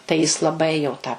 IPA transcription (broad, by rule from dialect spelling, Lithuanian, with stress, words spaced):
tɐɪ jɪs lˠɐˈbɐɪ jɛʊ tɑː